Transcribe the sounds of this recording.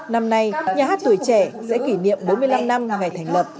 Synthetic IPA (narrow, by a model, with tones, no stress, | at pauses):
na˧mna˧jɲaː˨˩ɦaː˦˥t̚t̪u˧˩əjt͡ɕɛ˧˩sɛ̰˧˥ki˧˩nḭ˧˨əmɓo˨˦nmɨ˧əjla˧mna˧mŋa˨˩jt̪ʰɛ˨˩jŋ̟lə˨˩p̚